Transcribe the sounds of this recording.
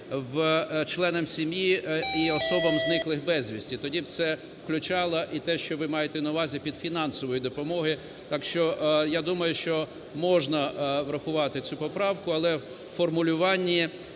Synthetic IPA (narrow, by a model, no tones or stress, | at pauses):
ʋt͡ʃlˠɛnɛmsʲimʲjiiɔsɔbɐmznɪklˠɪxbɛzʲʋʲisʲtʲit̪ɔdʲibt̪sɛ | fklʲʊt͡ʃɑlˠɐʔit̪ɛʃt͡ʃɔʋɪmɑjet̪ɛnɐʊʋɑzʲipʲid̪fʲinɑnsɔʋɔjid̪ɔpɔmɔɦɪ | t̪ɑkʃt͡ʃɔjad̪umɐjʊʃt͡ʃɔ | mɔʒnɐʋɾɐxʊʋɑt̪ɪt͡sʲupɔpɾɑwkʊɐlˠɛ | fɔrmʊlʲʊʋɑnʲːi